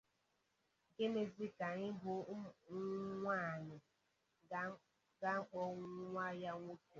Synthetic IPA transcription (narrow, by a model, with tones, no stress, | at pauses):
ɡe˦ne˨zi˦ka˨ŋɪ˦bʊ˨ŋ˦ŋʷa˦˨nɪ˨ | ɡa˦ŋ̩˦k͡pɔ˦ŋ˦ŋʷa˦ja˦ŋʷo˦ku˨